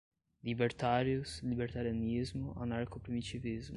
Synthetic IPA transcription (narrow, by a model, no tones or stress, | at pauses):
libɛɾt̪aɾjuslibɛɾt̪aɾjanizmuʔa̰naɾkopɾimit͡ʃivizmu